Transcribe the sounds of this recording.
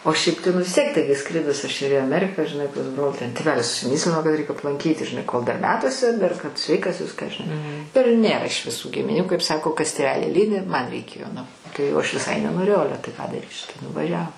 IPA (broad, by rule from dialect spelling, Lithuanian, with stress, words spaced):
oː ˈʃʲɛɪp tɐɪ nʊ ʋʲɪs ˈtʲiɛk ˈtɐɪɡʲɪ ˈskrʲɪdʊs ɐʃ ɪr iː ɐˈmʲæːrʲɪkɐ ʒʲɪˈnɐɪ pɐs ˈbroːlˠ tʲɛn tʲeːˈʋʲæːlʲɪs ʊʃʲsʲɪˈmʲiːsʲlʲɪnoː kɐt rʲɛɪk ɐplˠɐŋʲˈkʲiːtʲɪ ʒʲɪˈnɐɪ koːlˠ dɐr ˈmʲæːtuɔsʲɛ dɐr kɐt ˈsʲʋʲɛɪkɐs ˈʋʲɪskɑː ʒʲɪˈnɐɪ ɪr ˈnʲeːrɐ ɪʃ ʋʲɪˈsuː ɡʲɪmʲɪˈnʲuː kɐɪp ˈsɑːkoː ˈkɐs tʲeːˈʋʲæːlʲɪ ˈlʲiːdʲɪ ˈmɐnʲ rʲɛɪˈkʲeːjoː nʊ ˈtɐɪ jɛʊ ˈɐʃ ʋʲɪˈsɐɪ nʲɛnoːˈrʲeːjɛʊ ˈɑːlʲɛ tɐɪ kɑː dɐˈrʲiːsʲɪ tɐɪ nʊʋɐˈʒʲæːʋoː